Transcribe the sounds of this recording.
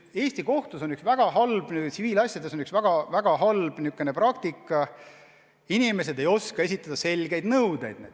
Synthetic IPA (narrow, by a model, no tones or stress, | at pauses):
e̞ːsʲt̪iko̞ht̪usonyksvæɡ̥ɑɦɑlb̥nit̪siviːlɑsʲjɑd̪esonyksvæɡ̥ɑvæɡ̥ɑɦɑlb̥niukːˑenepɾɑkt̪ikːˑɑ | inime̞s̬e̞d̪e̞jo̞skɑe̞sʲit̪ːˑɑd̪̥ɑse̞lʲɡe̞jd̪nɤwd̪e̞jd̪ne